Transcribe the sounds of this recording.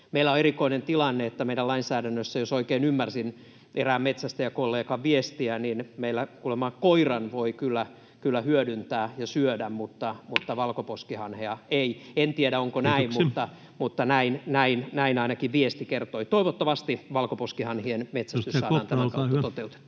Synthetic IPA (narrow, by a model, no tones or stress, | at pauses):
meilːæoerikoinent̪ilɑnːeet̪ːæmeidælɑinsæːɾænːøsːæjosoikeinymːærsin | ʔeræːmmet̪sæst̪æjɑkolːeːkɑʋʋiest̪iæninmeilːækulemɑkoirɑnʋoikylːæ | kylːæhyødynt̪æːjɑsyødæmmut̪ːɑmut̪ːɑʋɑlkoposkihɑnheɑeient̪ieɾæoŋkonæimmutt̪ːɑ | mut̪ːɑnæinnæinnæinɑinɑkiʋʋiest̪ikert̪oit̪oiʋot̪ːɑʋɑst̪iʋɑlkoposkihɑnhienmet̪sæst̪yssɑːɑːnt̪æmækɑuːɑtot̪eut̪e̥t̪ː